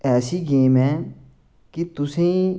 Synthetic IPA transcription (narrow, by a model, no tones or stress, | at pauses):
ɛːsiːɡeːmɦɛː | kɪt̪ʊsẽ